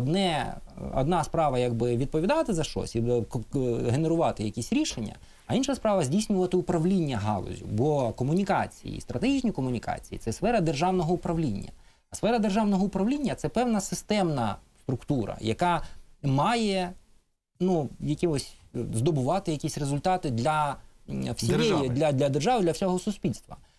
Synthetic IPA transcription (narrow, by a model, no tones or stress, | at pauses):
ɔd̪nɛɔ̰d̪nɑspɾɑʋɐjaɡ̚bɪʋʲid̪̚pɔʋʲid̪ɑt̪ɪzɐʃt͡ʃɔ̰sʲi | ɦeneɾʊʋɑt̪ɪjɐkʲisʲɾʲiʃenʲːɐ̰ | ɐinʃɐspɾɑʋɐzʲdʲijsʲnʲʊʋɐt̪ɪʊpɾɐʋlʲinʲːɐɦɑ̰lˠɔ̰zʲʊ̰bɔkɔmʊnʲikɑ̰t͡sʲḭjḭst̪ɾɐt̪eɦʲit͡ʃnʲikɔmʊnʲikɑ̰t͡sʲijḭsɛsfɛɾɐd̪erʒɑwnɔɦɔʊpɾɐʋlʲinʲːɐ̰ | sfɛɾɐd̪erʒɑwnɔɦɔʊpɾɐʋlʲinʲːɐt̪sɛpɛwnɐsɪst̪ɛmnɐst̪ɾʊkt̪uɾɐ̰jɐkɑmɑjɛ | nujɐkʲeɦɔsʲzd̪ɔbʊʋɑt̪ɪjɐkʲisʲrezʊlʲt̪ɑt̪ɪd̪lʲɐ | wsʲijɛjd̪lʲɐd̪lʲɐd̪erʒɑʋɪd̪lʲɐfsʲɔɦɔsʊsʲpʲilʲst̪ʋɐ̰